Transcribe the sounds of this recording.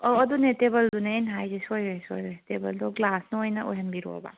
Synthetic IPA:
ɔːdunetebɐldunaenɦajzesojɾeso̰jɾɔjtebɐldɔɡlasnuojnɐʔo̰jɦɐnbiɾo̰ɔ̰ba̰

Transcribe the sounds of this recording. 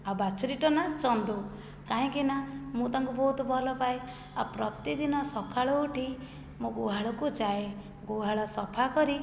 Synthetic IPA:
abat͡ʃʰuɾiʈɔnat͡ʃɔnd̪u | kaɦĩkinamũt̪aŋkubɔɦut̪ɔbʱɔlɔpaj | apɾɔt̪id̪inɔsɔkʰaɭɔuʈʰi | mũɡuɦaɭɔkud͡ʒae | ɡuɦaɭɔsɔpʰakɔɾi

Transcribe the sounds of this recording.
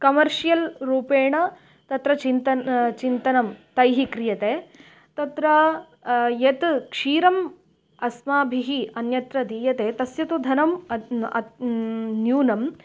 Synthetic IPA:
kɐmɐɾʂijɐlɾuːpeːɳɐ | t̪ɐt̪ɾɐt͡ʃint̪ɐt͡ʃint̪ɐnɐmt̪ɐjɦikɾijɐt̪eː | t̪ɐt̪ɾɐ | jet̪kʂiːɾɐm | ɐsmaːbʱiɦiɐnjɐt̪ɾɐd̪iːjɐt̪eːt̪ɐsjɐt̪ud̪ʱɐnɐmɐɐ̰ | njuːnɐm

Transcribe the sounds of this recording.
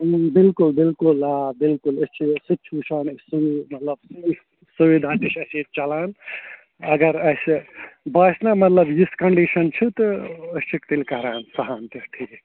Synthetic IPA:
bilkulbilkulabilkulɐst͡ʃʰisɨt͡ʃʰut͡ʃʰansuimɐt̪lɐbsif | suʋid̪ʱat̪iʃɐsit͡ʃɐlaːn | ɐɡɐɾɐsbɐsnamɐt̪lɐbjiskɐɳɖiʃɐnt͡ʃʰut̪ɔɐst͡ʃikt̪ilkɐɦɾaːnsɐɦant̪iʈʰi

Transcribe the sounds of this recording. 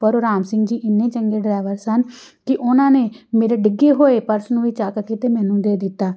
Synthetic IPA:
pəɾoɾaːmsɪ̃ŋɡd͡ʒiːʔɪnːẽːt͡ʃəŋɡeːɖɾaːʋəɾsən | kɪʔʊnãːneːmeːɾeːɖɪɡeːɦoːeːpəɾsnũːʋiːt͡ʃaːkkit̪eːmɛ̃ːnũːd̪eːd̪ɪt̪ːaː

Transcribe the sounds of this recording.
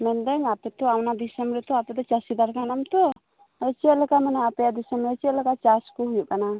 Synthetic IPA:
mɛnd̪ɛɲapɛt̪ɔawnad̪isəmɾɛt̪ɔapɛd̪ɔt͡ʃasid̪aɾkanamt̪ɔ | ɛt͡ʃiɛʔlɔkamanɛapɛjad̪isəmɾɛt͡ʃiɛlɔkat͡ʃaskɔɦujuʔkana

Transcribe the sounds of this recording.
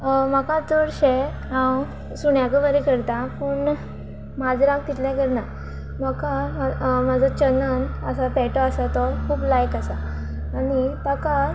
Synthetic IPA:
məkat͡soɽɕe | ãw | suɳjakəʋəɾekəɾt̪ãpuɳ | mad͡zɾãk̚t̪it̪ljãkəɾna | məkamad͡zɔt͡ɕənənəsapɛʈɔasat̪ɔkʰuːblajkasaː | nit̪aka

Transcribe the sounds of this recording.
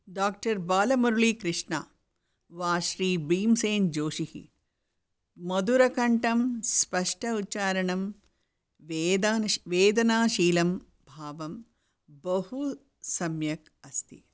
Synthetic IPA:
ɖaːk̚ʈɐɾbaːlɐmɐɾuɭikɾɪʂɳa̰ː | ʋaːʃɾiːbiːmseːnd͡ʒoːʃihḭ | mɐd̪uɾɐkɐɳʈɐmspɐʂʈʰɐutːt͡ʃaːɾɐɳɐm | ʋed̪anʋeːd̪ɐnaːʃiːlɐm | bʱaːʋɐm | bɐhu | sɐmjɐk̚ | ɐst̪ʰḭ

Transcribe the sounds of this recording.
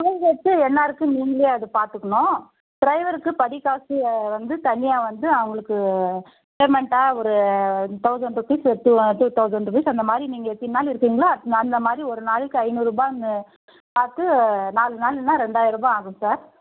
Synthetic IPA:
kʊɭɐɡɛt̪ːɯɛnːaːɪɾɯkːɯ̃miːŋɡɐleɐðɯpaːɾt̪ɯkːɐɳʊ̃ː | ʈɪɾɐɪʋɐɾɯkːɯpɐɽɪkːaːsiʋɐnd̪ɯt̪ɐnːɪjaːʋɐnd̪ɯɐʋɐŋɡɐɭɯkːɯ | peːmɛɳʈaːɔɾɯt̪ɐʊsɐɳɖɯpisʈ̪ːuʈut̪ɐʊsɐɳɖɯpɐsɐnd̪ɐmaːd̪ɾiniːŋɡɐɛt̪ːɪnaːlɪɾɯkːiːŋɡɐɭaːɐnd̪ɐmaːd̪ɾiɔɾɯnaːlɯkːɯɐɪnɯɾuːbaːnɯ | paːɾt̪ɯnaːlɯnaːlɛnːãːɾɛɳɖaːjɾɯɾuːbaaːɣɯ̃msaːɾ

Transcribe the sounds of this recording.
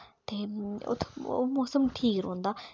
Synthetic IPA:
t̪eo̰t̪ʰo̰mohsəmt̪ʰikiɾond̪a

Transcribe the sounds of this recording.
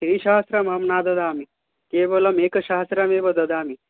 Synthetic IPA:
ʃiiʃaːɐst̪ɾɐmɦɐmnaːd̪ɐd̪aːmi | keːbɐlɐmeːkɐʃaːɦɐst̪ɾɐmeːʋɐd̪ɐd̪aːmi

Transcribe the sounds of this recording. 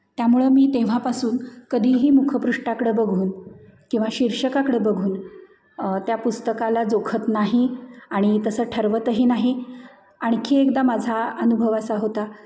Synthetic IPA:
t̪jamuɭəmiːt̪eʋ̤apasuːnkəd̪ʱiːɦiːmukʰəpɾuʂʈakɽəːbəɡʱuːnkĩw̃ʋaɕiɾʂəkakɽebəɡʱuːn | t̪japust̪əkalad͡zokʰət̪naɦiaɽ̃it̪əsəːʈʰəɾʋət̪əɦiːnaɦi | aɽ̃kʰiekd̪amad͡zʱaənubʱəʋasaɦot̪a

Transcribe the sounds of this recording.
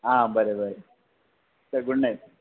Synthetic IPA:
aːbɐɾebɐɾe | sɐɡuɳːe

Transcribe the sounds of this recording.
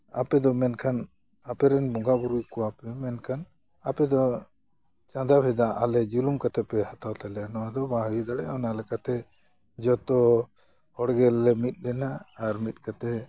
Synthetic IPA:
a̰pɛd̪ɔmɛnkʰan | apɛɾɛnbɔŋɡabuɾujkɔwapɛmɛnkʰan | apɛd̪ɔ | t͡ʃãd̪abʰʱɛd̪aʔalɛd͡ʒulumkat̪ɛpɛhat̪awt̪ʰɛlɛnɔad̪ɔbaɦd̪aɽɛawnalɛkat̪ɛ | d͡ʒɔt̪ɔ | hɔɽɡɛlːɛmit̪̚ˀlɛnaːɾmit̪̚ˀkat̪ɛ

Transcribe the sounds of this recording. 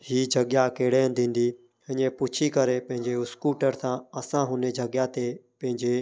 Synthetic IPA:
hiːd͡ʒʱəɠjaːkeːɽeːnd̪ɪ̃ːnd̪iː | ɦəɲẽːpʊt͡ʃʰiːkəɾeːpə̃ɦɪ̃ɲd͡ʒeːʊskuːʈəɾsãːəsãːɦʊneːd͡ʒʱəɠjãːt̪eːpə̃ɦɪ̃ɲd͡ʒeː

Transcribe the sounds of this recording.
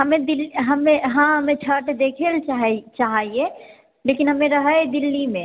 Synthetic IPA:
ɦɐmẽd̪ɪlɦɐmẽɦãɦɐmẽt͡ʃʰəʈd̪eːkʰelt͡ʃaɦt͡ʃaːɦɦie | leːkɪnɦɐmẽɾɐɦəed̪ɪlːimẽ

